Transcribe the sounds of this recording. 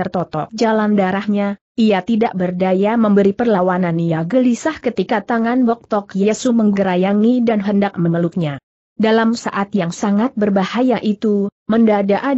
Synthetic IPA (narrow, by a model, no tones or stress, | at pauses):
ərt̪ɔt̪ɔ̰k̚d͡ʒalandaɾahɲa | ʔiat̪idaʔbərdajaməmbəɾipərlawananijaɡəlisahkət̪ikat̪aŋanbɔk̚t̪ɔkjaasuməŋɡəɾajaŋidanɦəndak̚mənəluk̚ɲa | dalamsa̰ʔat̪jaŋsaŋat̪̚bərbahajaʔit̪u | məndadaʔa